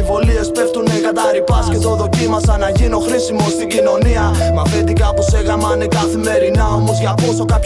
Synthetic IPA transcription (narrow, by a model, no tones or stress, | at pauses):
ivo̞lie̞spe̞ft̪unekɐt̪ɐɾipɐscet̪oðo̞cimɐsɐnɐʝinoxɾisimo̞st̪iɟino̞niɐ | mɐfet̪d̪ikɐposeɣɐmɐnekɐθime̞ɾinɐo̞mo̞zʝɐpo̞sokɐp